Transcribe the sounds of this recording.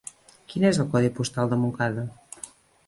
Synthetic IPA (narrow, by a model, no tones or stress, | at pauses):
kinezəlˠkɔðipust̪alˠd̪əmuŋkaðə